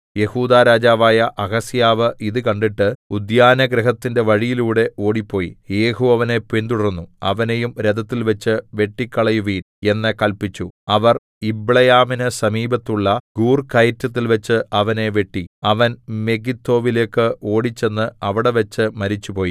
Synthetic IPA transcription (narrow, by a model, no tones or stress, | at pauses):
je̞huːd̪aːɾaːd͡ʑaːʋaːjɐʔɐɣɐsijaːʋɨʔiðɨkɐɳɖiʈːɨud̪jaːnɐɡɾɐɦɐt̪ːinde̞ʋɐɻijiluːɽe̞ʔo̞ːɽipːo̞ːjḭeːɦuɐʋɐne̞pend̪uɽɐrnːuɐ̰ʋɐne̞jumɾed̪ɐt̪ːilʋɐt͡ɕːɨʋe̞ʈːikːɐɭɐjuʋiːn | e̞nːɐkɐlpit͡ɕːuɐʋɐr | ibɭɐjaːminɨsɐmiːbɐt̪ːuɭːɐɡuːrkɐjtːɐt̪̬ːilʋɐt͡ɕːɨɐʋɐne̞ʋe̞ʈːiɐʋɐnme̞ɡit̪ːo̞ːʋile̞ːkːɨʔo̞ːɽit͡ɕːe̞nːɨɐʋiɽe̞ʋɐt͡ɕːɨmɐɾit͡ɕːupo̞ːji